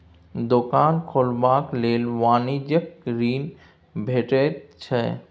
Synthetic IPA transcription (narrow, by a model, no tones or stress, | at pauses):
d̪okaːnkʰoːlbaːkleːlʋaːnid͡ʒəkɾiːn | bʱeːʈett͡ʃʰɛ